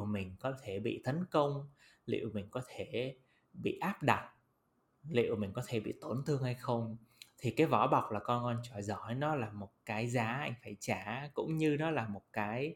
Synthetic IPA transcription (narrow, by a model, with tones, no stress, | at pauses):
wmï˨˩ŋ̟kɔ˨˦t̪ʰe˧˩ɓḭ˧˨t̪ə˨˦nkə˧wŋ͡m | lḭ˧˨ə˨wmï˨˩ŋ̟kɔ˨˦t̪ʰe˧˩ | ɓḭ˧˨ʔaː˦˥p̚ɗa˨˩t̚ | lḭ˧˨ə˨wmï˨˩ŋ̟kɔ˨˦t̪ʰe˧˩ɓḭ˧˨t̪o˨˩nt̪ʰɨ˧əŋha˧jxə˧wŋ͡mt̪ʰi˨˩kaː˨˦jvɔ˧˩ɓa˨˩wk͡p̚laː˨˩kɔ˧nŋɔ˧nt͡ɕɔ˧˩jzɔ˧˩˦jnɔ˨˦laː˨˩mo˨˩t̚kaː˨˦jzaː˨˦ʔa˧jŋ̟faː˧˩jt͡ɕaː˧˩kʊ̰˧˥wŋ͡mɲɨ˧nɔ˨˦laː˨˩mo˨˩t̚kaː˨˦j